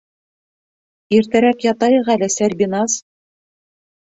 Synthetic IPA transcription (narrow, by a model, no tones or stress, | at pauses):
iɾt̪æɾækjɑt̪ɑjɤ̆ʁælɘsæɾʲbʲinɑs